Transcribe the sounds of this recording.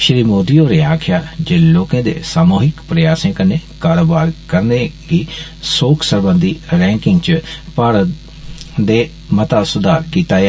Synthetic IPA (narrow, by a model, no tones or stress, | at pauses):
ʃɪɾiːmoːd̪iːoːɾeːaːkʰɪjaːd͡ʒeːloːkãːd̪ḛːsaːmoːɦɪkpɾəjaːsẽːkəneːkaːɾoːbaːɾkəɾneːɡiːsoːkʰsəɾbə̃nd̪iːɾɛ̃ːŋkɪŋɡt͡ʃəpaːɾə | d̪eː | mət̪aːsʊd̪aːɾkiːt̪aː